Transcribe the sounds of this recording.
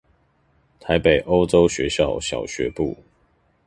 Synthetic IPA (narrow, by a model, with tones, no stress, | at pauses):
t̪ʰa˨˦ɪpe˨˩ɪʔo˦ʊʈ͡ʂo˦ʊɕɥɛ˨˦ɕjɑ˥˨ʊɕjɑ̰˨˩ʊɕɥɛ˨˦pṵ˥˨